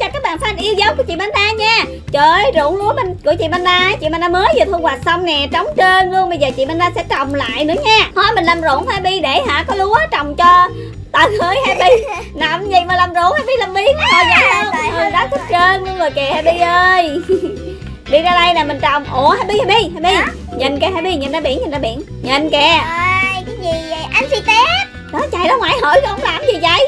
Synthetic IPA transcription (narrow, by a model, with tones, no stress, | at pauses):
t͡ɕɔ˧kaː˦˥k̚ɓaː˧˨nfʰaː˧nʔi˧əwzə˨˦wku˧˩ət͡ɕḭ˧˨ma˧nɗaː˧ɲaː˧˩ | t͡ɕəː˧˨˩jzo̰˧˩əŋlu˨˦əma˧nkɨ̰˧˩˥t͡ɕḭ˧˨ma˧naː˧˨˦t͡ɕḭ˧˨ma˧naː˧məː˨˦jzɨ˨˩t̪ʰɨ˧ŋwaː˨˩t̚sə˧wŋ͡mnɛ˨˩t͡ɕɔ˨˦wŋ͡mt͡ɕəː˧nlu˧əŋɓə˧jzəː˨˩t͡ɕḭ˧˨ma˧nzaː˧sɛ̰˧˥t͡ɕɔ˨˩wŋ͡mla̰ː˧˨jnɨ̰˨˦əɲaː˧hɔ˨˦mi˨˩nlaː˨˩mzo̰˧˨˩əŋfaː˧jɓi˧ɗe˧˩ɦa̰ː˧˨kɔ˨˦lu˨˦ə˦t͡ɕɔ˨˩wŋ͡mt͡ɕɔ˧ | t̪aː˨˩həː˧˩jhaː˧jɓi˧ | na˨˩mzi˨˩jmaː˨˩laː˨˩mzo̰˧˨ənhaː˧jɓi˧la˨˩mɓi˧˩˨əː˨˩ɲaː˨˦hə˧ŋ˧˨ʔɨ˨˩ɗaː˨˦˥t̪ʰi˦˥t̚t͡ɕəː˧n˧˦zoː˨˩jkɛ˨˩haː˧˩ɓi˧ʔəː˧j | ɗi˧zaː˧ɗa˧jnaː˨˩mï˨˩nt͡ɕə˨˩wŋ͡mʔo˨˩əhaː˧˩ɓi˧haː˧jɓi˧haː˧˩jɓi˧ | ɲə˨˩nkɛ˨˩ɦaː˧jɓi˧ɲə˨˩nɗaː˨˧˦ɓḭ˧˩əŋɲə˨˩nzaː˨˦ɓḭ˧˨əŋ | ɲə˨˩nkɛ˨˩˨ | ɲi˨˩˧ʔa˧nsi˧t̪ɛ˦˥t̚ | ɗɔ˨˦t͡ɕa̰ː˨˩jɗɔ˨˦ŋwaː˧˨jɦəː˧˨˦jkːʔə˧˦ŋ͡mlaː˨˩mzi˨˩t͡ɕa˧˩j